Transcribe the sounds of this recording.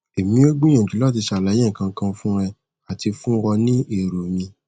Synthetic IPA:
e˨mĩ˨˦o˦ɡ͡bũ˦ɛ̃˨d͡ʒi˨˦lɔ˦t̬i˧ʃa˧˦˨la˨˦jẽ˦˨kã˧kã˧fũ˦ɾ̃ɛ˧ | a˨ti˧fũ˦ɾɔ˧nĩ˦e˦˨ɾo˨mĩ˧

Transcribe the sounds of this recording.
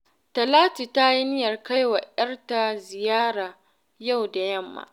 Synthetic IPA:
tɐ˨laː˦ti˨ta˦ji˦nɪ˦jɐ˨rka˦jwa˨ʔɐ˦rta˨zɪ˨jaː˦ɽaː˨ | ja˦˨wda˨jɐ˦˨mːa̰ː˨

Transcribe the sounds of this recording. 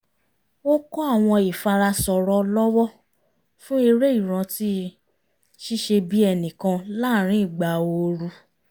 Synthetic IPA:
o˦kɔ˦a˦˨w̃ɔ̃˧i˨fa˧ɾa˧sɔ˨ɾɔ˧lɔ˦wɔ˦ | fũ˦i˧ɾe˦i˦˨ɾ̃ã˧ti˦ | ʃi˦ʃe˧bi˦ɛ˧nĩ˨kã˧la˦˨ɾ̃ĩ˦i˦˨ɡ͡ba˨o˧ɾu˧

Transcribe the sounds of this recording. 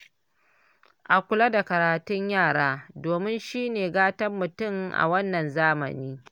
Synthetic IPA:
ʔa˨kʷʊ˨la˦da˨kɐ˨ɾaː˨tʊ˦ɲjaː˦˨ɽaː˦doː˨mɪ˦nʃiː˦neː˨ɡaː˦tɐ˦mːʊ˨tʊ˦˨ŋʔa̰˨wɐ˦nːɐ˨nzaː˦mɐ̰˨niː˦

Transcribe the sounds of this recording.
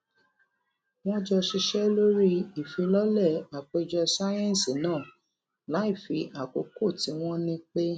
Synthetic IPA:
w̃ɔ̃˦d͡ʒɔ˧ʃi˧ʃɛ˦lo˦ɾi˦i˨fĩ˨˧˦lɔ˦lɛ˦˨a˨k͡pe˧d͡ʒɔ˧sa˦jɛ̃˦n˨si˨nãː˦˨ | la˨˦i˦˨fi˨˧˦ʔa˨ko˨˧ko˦˨ti˨˦w̃ɔ̃˦nĩ˦k͡pe˦

